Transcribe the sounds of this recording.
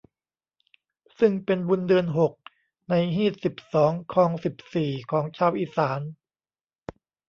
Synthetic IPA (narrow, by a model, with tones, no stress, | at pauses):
sɯ˥˩ŋpe˧nbu˧ndɯ˧ənɦo˨˩k̚ | na˧jɦiː˥˩t̪̚si˨˩p̚sɔː˩˦ŋkʰɔː˧ŋsi˨˩p̚siː˨˩kʰɔː˩˦ŋt͡ɕʰaː˧wʔiː˧˩saː˩˦n